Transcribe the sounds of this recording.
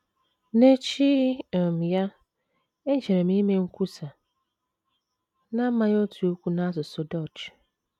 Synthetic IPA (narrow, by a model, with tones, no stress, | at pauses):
ne˦t͡ʃi˦ɔ˨m˨ja˦ | e˦d͡ʒe˨ɾe˨mĩ˦me˦ŋ̩˦kʰu˦sa˨ | nã˦mã˨jɔ˦tʰu˨o˦kʷu˦nã˦a˦s̬ʊ˨sʊ˨dɔ˦˨t͡ʃ